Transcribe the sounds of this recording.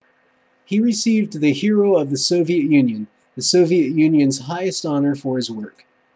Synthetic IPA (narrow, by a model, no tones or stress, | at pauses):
hiɹɨsivðɨhɪɹoʊʌvðɨsoʊviɨʔjʉ̃njɨ̃n | ðɨsoʊviɨʔjʉ̃njɨ̃nz̥haɪɨstɑnə˞fə˞ɨzwɜ˞k